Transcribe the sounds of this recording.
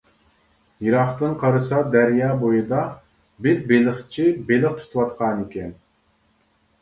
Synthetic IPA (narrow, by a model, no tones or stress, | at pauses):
jiɾɑχt̪ɨnqʰɑɾɨsɑd̪æɾjɑːbojɨd̪ɑ | bɪɾbelɪχt͡ʃʰibelɪχt̪ʰu̥t̪ʰuwɑt̪qʰɑnikʲɛn